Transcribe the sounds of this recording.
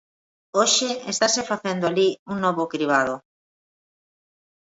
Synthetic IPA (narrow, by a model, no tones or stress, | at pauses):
oʃɪest̪asefaθend̪oaliuŋnɔβʊkɾiβaðo